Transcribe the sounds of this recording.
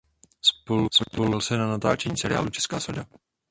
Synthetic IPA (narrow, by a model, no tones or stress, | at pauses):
spoluspolɪlsɛnanat̪a̰ːt͡ʃɛɲiːsɛɾɪ̰ja̰ːlut͡ʃɛ̥skaːsoda